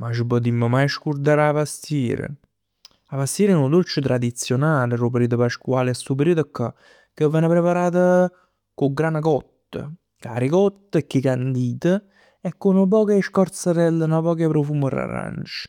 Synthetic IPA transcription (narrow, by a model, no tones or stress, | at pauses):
mat͡ʃipɔt̪̬imːəmajʃkuɾd̪aɾavast̪iːɾə̰ | avast̪iːɾnod̪olt͡ʃət̪ɾad̪it̪sːjonaːlərop̬ɾiːt̪əpaʃkwaːlɛsːupəɾiːt̪əkːa | kəvːɛnəpɾepaɾaːt̪ə | koɡɾanakɔt̪ːə̰ | ka̰ɾikɔt̪ːəkːikand̪iːt̪ə | ɛkːonop̬ɔːkeʃkɔɾt̪səɾɛlːənapɔːkepɾofuːməra̰ɾa̰nt͡ʃə̥